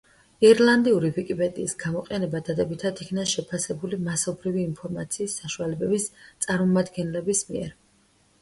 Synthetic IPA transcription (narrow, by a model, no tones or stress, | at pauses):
iɛɾlˠand̪iuɾivikʼipʼɛd̪ʼḭːsɡ̥amɔqʼɛnɛbad̪ad̪ɛbit̪ʰad̪ikʰnaʃɛpʰasɛbulimasɔbɾiviːnpʰɔɾmat̪sʰiːsːaʃualɛbɛbist̪sʼaɾmɔmad̪ɡɛnlɛbismiɛ̰ɾ